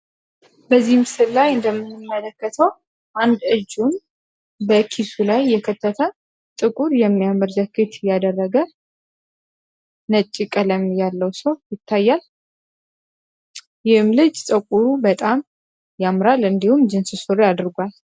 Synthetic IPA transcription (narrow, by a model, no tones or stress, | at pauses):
bəzːihmsɨllːajɨnd̪əmːɨnːɨmːələkːət̪ʰəw | ʔand̪ɨd͡ʒːum | bəkʰisulajːɛkʰət̪ʰːət̪ʰə | t̪ʼɨkʼuɾjɛmːijaməɾzəkʰːɨt̪ʰjad̪ərːəɡə | nət͡ʃʼːikʼələmjalːəwsəwjɪt̪ʰːajːal | jɪhɨmlɨd͡ʒsʼəkʼuɾubət̪ʼam | jamɾalɨnd̪ihumd͡ʒɨnsɨsoɾead̪ɨɾɡʷal